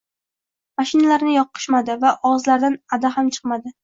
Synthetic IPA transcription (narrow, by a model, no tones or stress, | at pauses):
maʃɪnalaɾnɪjɒqʰːɨ̥ʃmad̪ɪvaʔɒʁzlaɾd̪anad̪aɦamt͡ʃʰɨ̥qmad̪ɪ